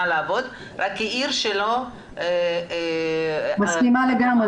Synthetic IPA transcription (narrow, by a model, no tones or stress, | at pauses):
aleavo̞d̪ | ʁakːiʔiɾʃelo | maskimaleɡame